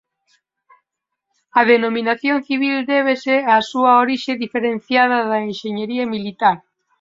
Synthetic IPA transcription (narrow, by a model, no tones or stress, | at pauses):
ɐð̞enominaθjonθiβ̞ild̪eβ̞eseasuɐoɾiʃeðifeɾen̟θjað̞ɐðɐenʃeɲeɾiɐmilit̪aɾ